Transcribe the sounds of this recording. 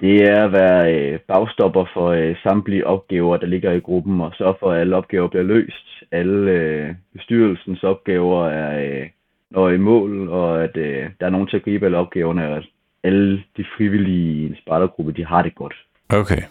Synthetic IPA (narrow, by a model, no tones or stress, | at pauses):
d̥e̝æɐʋæɐøb̥ɑ̈ʊsd̥ɒ̽b̥ɐfɒ̽øsɑ̈md̥liʔɒ̽b̥̚ɡ̥ɛːʊɐd̥ɑ̈le̝ɡ̥ɐiɡ̥ʁub̥n̩ɒ̽sɶɐ̰fɒ̽æləɒ̽b̥̚ɡ̥ɛːʊɐb̥liɐlø̰ːsd̥æləøb̥e̝sd̥yɐl̩sn̩sɒ̽b̥̚ɡ̥ɛːʊɐæɐ | nɒimɔ̰̽ːlɒ̽æd̥ød̥ɑ̈æɐno̝ːn̩t͡sʰe̝æɡ̥ʁḭːb̥əæləɒ̽b̥ɡ̥ɛːʊɐnəɒæd̥ | æləd̥ifʁiʋilisb̥ɑ̈ɾ̥ɐɡ̥ʁub̥ɐd̥iɦɑ̈ɾ̥e̝ɡ̥ɒ̽d̥ | ʔokʰe